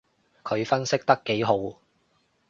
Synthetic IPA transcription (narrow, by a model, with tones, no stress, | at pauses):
kʰɵ˨˧ɥfɐ˥nsɪ˥k̚t̪ɐ˥kːe˨˥jɦo˨˥w